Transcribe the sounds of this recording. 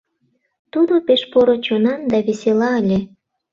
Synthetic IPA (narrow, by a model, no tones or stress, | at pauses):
t̪ud̪opeʃpoɾot͡ɕonɑnd̪ɑβeselɑəlʲe